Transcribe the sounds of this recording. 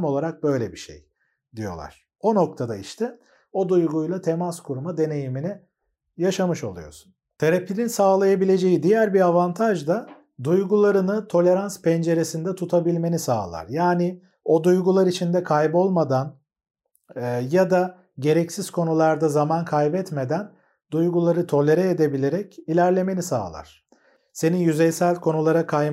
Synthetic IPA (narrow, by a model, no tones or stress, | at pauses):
mo̞lˠaɾak̚bø̞jlʲɛbiʃḛj | d̪ijo̞̰lˠa̰ɾ̥ | o̞no̞k̚t̪ʰad̪aiʃt̪ʰɛ | o̞d̪ujɡujlˠat̪ʰe̞maskʰuɾmad̪e̞ne̞jiminɛ | jaʃamɯʃo̞̰lˠujo̞̰su̥nt̪ʰeɾapʰʲininsaːlˠajabilʲe̞d͡ʒe̞jid̪ijæɾbiɾavant̪ʰaʒd̪a | d̪ujɡulˠaɾɯnɯt̪ʰo̞lʲe̞ɾanspʰɛnd͡ʒe̞ɾe̞sind̪ɛt̪ʰut̪ʰabilʲme̞nisa̰ːlˠa̰ɾjaːnɪ | o̞d̪ujɡulˠaɾit͡ʃʰind̪ɛkʰajbo̞lˠmad̪an | jad̪a | ɟe̞ɾɛcsiz̥kʰo̞nulˠaɾd̪azamankʰajbɛt̪me̞d̪æn | d̪ujɡulˠaɾɯt̪ʰo̞lʲe̞ɾɛːd̪e̞bilʲe̞ɾɛcilʲæɾlʲe̞me̞nisa̰ːlˠa̰ɾ̥ | se̞nijyzɛjsælʲkʰo̞nulˠaɾakʰaj